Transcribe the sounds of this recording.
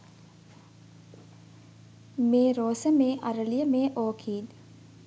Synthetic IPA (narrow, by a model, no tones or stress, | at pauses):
meːɾoːsəmeːʔaɾəlijəmeːʔoːkʰiːd̪